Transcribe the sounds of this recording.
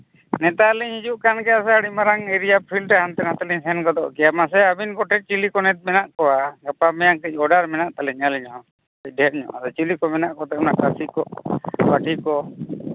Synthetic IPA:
nɛt̪aliɲhid͡ʒuʔkankɛjasɛaɽimaɾaŋɛɾijapʰilʈɛɦant̪ɛnhat̪aliɲsɛnkɔd̪ɔ̰ʔkɛjamas̬ɛabinkɔʈʰɛt̚t͡ʃilikɔnɛt̪̚ˀmɛnaʔkɔwaɡapamɛjaŋkəc̚ˀɔɖaɾmɛnaʔt̪alɛɲaliɲɦɔ̃ | kəc̚ˀɖʱɛt̪̚ɲɔ̰ʔad̪ɔt͡ʃilikɔmɛnaʔkɔt̪ɛɔnaʔkasikɔbaʈʰikɔ

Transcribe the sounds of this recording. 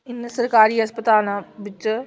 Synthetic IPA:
ɪnsɐɾkaːɾiːɐspət̪aːlʋɪt͡ʃ

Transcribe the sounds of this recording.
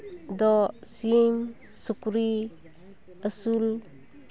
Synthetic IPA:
dɔsiŋ | sukuɾi | əsul

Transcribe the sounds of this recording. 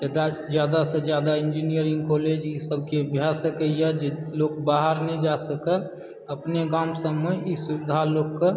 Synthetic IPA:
ɛd̪a | d͡ʒjaːd̪asəd͡ʒjaːd̪aɪ̃nd͡ʒinijəɾɪ̃ŋɡkɔːled͡ʒisəb̚ʱkebʱjasəkəjɛd͡ʒloːkbaːɦəɾned͡ʒasəkə | əpneɡaːmsəmːeisʊɪd̪ʱaloːkkːə

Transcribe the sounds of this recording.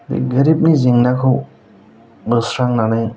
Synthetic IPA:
dḭɡəɾip̚niziŋnakʰɯw | bɯsɾaŋnanaj

